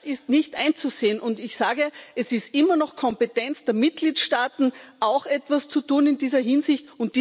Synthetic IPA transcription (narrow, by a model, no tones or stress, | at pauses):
sɪstnɪçtʔaɪnt͡suzeːənʔʊndɪçsaːɡəɛsɪstʔɪmɐnɔxkʰɔmpetɛnt͡sd̥eːɐmɪt̚ɡ̥liːtʃtaːtn̩ʔaʊxʔɛtv̥ast͡sutuːnɪndiːzɐɦɪnzɪçtʊnt̚d̥iː